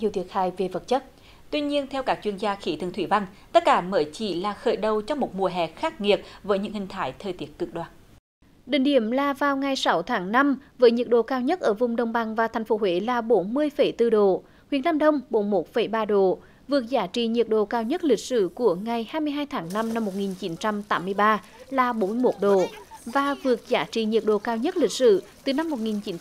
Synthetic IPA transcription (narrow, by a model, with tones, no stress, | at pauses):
ɲi˨əwt̪i˨˦ət̚xaː˧˩jve˨˩və˨˩t̚t͡ɕə˦˥t̚ | t̪wi˧ɲi˧ənt̪ʰɛ˧wkaː˦˥k̚t͡ɕwi˧ənzaː˧xi˧˦t̪ʰɨ˨˩ŋt̪wi˧˩˦va˧ŋt̪ə˦˥t̚kaː˧˦məː˨˦jt͡ɕi˧˩laː˨˩xəː˧˩jɗə˨˩wt͡ɕɔ˧wŋ͡mmo˨˩t̚mu˨˩əɦɛ̰˨˩xaː˦˥k̚ŋi˨˩ət̚vəː˨˦jɲɨ̰˧˥ŋhï˨˩ŋ̟t̪ʰaː˨˦jt̪ʰəː˨˩jt̪i˦˥ət̚kɨ˨˧˩k̚ɗwaː˨˩n | ɗḭ˧˨ŋ̟ɗḭ˧˩əmlaː˨˩vaː˨˩wŋa˨˩jsa˨˦wt̪ʰaː˨˦ŋna˧mvəː˨˦jɲi˨˩ət̚ɗo̰˧˨kaː˧wɲə˦˥t̚ʔəː˧˩vʊ˧˩wŋ͡mɗə˧˩wŋ͡mɓa˨˩ŋvaː˨˩t̪ʰjŋ̟fo˨˦hwḛ˧˦laː˨˩ɓo˨˦nmɨ˧əjfə˧˩jt̪ɨ˧ɗo˧˨ | xwi˨˦ənaː˧mɗə˧wŋ͡mɓo˨˦nmo˨˦˥t̚fə˧˩jɓaː˧ɗo˨˩ | vɨ˨˩ək̚zaː˨˦t͡ɕḭ˧˨ɲi˨˩ət̚ɗo̰˧˨kaː˧wɲə˦˥t̚lï˨˩k̟̚sɨ̰˧˨ku˧˩əŋa˨˩jhaː˧jmɨ˧əjɦaː˧jt̪ʰaː˨˦ŋna˧mna˧mːo˨˩t̚ŋi˨˩nt͡ɕi˨˦nt͡ɕa˧mt̪aː˨˦mːɨ˧əjɓaː˧ | laː˨˩ɓo˨˦nmɨ˧jmo˨˦˥t̚ɗo˨˩vaː˨˩vɨ˨˩ək̚zaː˨˦t͡ɕḭ˧˨ɲi˨˩ət̚ɗo̰˧˨kaː˧wɲə˦˥t̚lï˨˩k̟̚sɨ̰˧˨t̪ɨ˨˩na˧mːo˨˩t̚ŋi˨˩nt͡ɕi˨˦n